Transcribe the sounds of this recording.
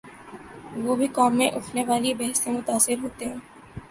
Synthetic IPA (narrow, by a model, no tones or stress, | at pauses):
ʋoːbʱikɔːmːḛ̃ʔʊʈʰneʋaːlibɛɦsẽmʊt̪aːsɪɾɦoːt̪eɦɛ̃ː